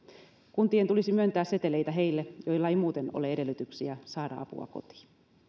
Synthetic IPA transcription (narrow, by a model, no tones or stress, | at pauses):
kunt̪ient̪ulisimyønt̪æːsse̞t̪elejt̪æɦe̞ilːejo̞ilːɑeimuːt̪e̞no̰leede̞lːyt̪yksiæsɑːdɑ̰ɑ̰pṵɑ̰ko̞̰t̪i̥ː